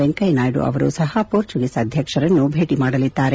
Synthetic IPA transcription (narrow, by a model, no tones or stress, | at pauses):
eŋkɐjnaːjɽṵʔɐ̰ʋɐɾṵːsɐɦɐpuːɾt͡ʃuɡisɐːd̪ʱjɐkʂɐɾɐnːubʱe̞ːʈimaːɽɐlid̪ːaːɾe